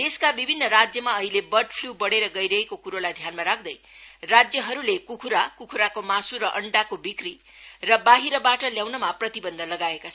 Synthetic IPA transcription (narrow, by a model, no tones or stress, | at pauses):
t̪eskabibʱinːʌɾad͡zjʌmaʌɦilebʌrɖpʰlubʌɽeɾʌɡʌjɾʌekokuɾolajd̪ʱjanmaɾak̚ʰd̪ʌj | rad͡zjʌɦʌɾulekukʰuɾakukʰuɾakomasuɾʌʔʌɳɖakobikri | rʌbaɦiɾʌbaʈʌljawnʌmaprʌt̪ibʌnd̪ʱʌlʌɡaekat͡sʰʌ